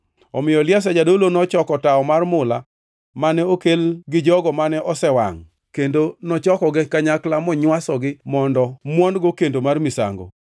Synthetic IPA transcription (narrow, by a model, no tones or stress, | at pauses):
ɔmɪjɔljas̬ɛd͡ʒadolonɔt͡ʃɔkɔtaɔmarmʊla | manɛokelɡɪd͡ʒɔɡɔmanɛʔɔsɛwa̰ŋ | kendonɔt͡ʃɔkɔɡɛkːaɲaklamɔɲwasɔɡɪmɔndɔmwɔnɡokendomarmɪsa̰ŋɡo̰